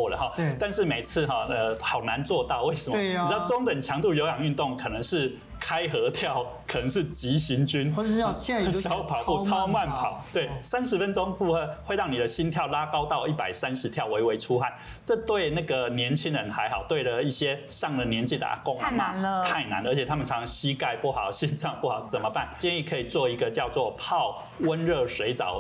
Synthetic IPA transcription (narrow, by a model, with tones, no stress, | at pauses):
ɔ˥˩lə˩xɔ˨˩t̪a˥˧nʂɻ̩˥˩me˨˩ɪt͡s̩ʰ˥˩ɦɔ˨˩ə˧xɑ˨˩ʊna˧˦nt͡swɔ˥˧t̪ɑ˥˧ʊwe˥˩ɪʂə˨˩mə˦˨˩ʊʈ͡ʂo˥ŋt̪ə˨˩nt͡ɕʰjɑ˧˥ŋt̪u˥˨˩jo˧˥ʊjɑ˨˩ŋy˥˧nt̪o˥˩ŋkʰɤ˨˩nɤ˧˦ŋʂɻ̩˥˩ | kʰa˥ɪxɤ˧˥t̪ʰjɑ˥˩ʊ | kʰɤ˨˩nɤ˧˦ŋʂ̬ɻ̩˥˩t͡ɕi˧˥ɕi˧˥nt͡ɕy˦n | ɕɑ˥˦pʰɑ˨ʊpu˥˩t͡sʰa˥˦ma˥˨npʰɑ˨˩˦ʊt̪we˥˩ɪsa˦nʂ̬ɻ̩˧˥fə˦nʈ͡ʂo˥ŋfu˥˧xə˥˩xwe˥˧ɪɻɑ˥˩ŋni˨˩d̪ə˦ɕi˥nt̪ʰjɑ˥˩ʊla˥kɑ˥ʊt̪ɑ˥˧ʊi˥˩pa˨˩ɪsa˦˥nʂɻ̩˧˥t̪ʰjɑ˥˩ʊwe˧˥ɪwe˧˥ɪʈ͡ʂʰu˥˦xa˥˩n | ʈ͡ʂɤ˥˧t̪we˥˧ɪna˥˩ɡə˩njɛ˧˥nt͡ɕʰi˥ŋɻə˧˦nxa˧˥ɪxɑ˨˩ʊt̪we˥˩ɪlə˩i˥˩ɕjɛ˦sɑ˥˩ŋlə˨njɛ˧˥nt͡ɕi˥˩d̪ə̰˩ʔa̰˨˥˩ko˥˧ŋa˥˩ma˥˧t̪ʰa˥˩ɪna̰˧˦nə˧˥t͡ɕʰɛ˨˩t̪ʰa˥mə˨nʈ͡ʂʰɑ˧˥ŋɕi˦ka˥˧ɪpu˥˩xɑ˨˩ʊɕi˥˧nt͡sɑ˥˧ŋpu˥˩xɑ˨˩ʊt͡sə˨˩mə˩pa˥˩nt͡ɕjɛ˥˧ni˥˩kʰɤ˧˥i˨˩t͡swɔ˥˩i˧˥ɡə˧t͡ɕjɑ˥˧ʊt͡swɔ˥˨pʰɑ˥˨˩ʊ | wə˦˥nɻə˥˩ʂwe˧˥ɪt͡sɑ̰˨˩˦ʊ